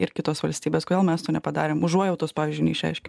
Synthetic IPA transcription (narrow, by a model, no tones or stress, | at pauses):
ɪɾkʲɪt̪oːsʋɐlʲsʲt̪ʲiːbʲeːskodelˠmʲɛst̪oːnʲɛpɐd̪ɑːɾʲeːmʊʒuɔjɛʊt̪oːspɑːʋʲɪzʲd͡ʒʊɪnʲɛɪʃʲɛ̰ɪʃʲkʲɛ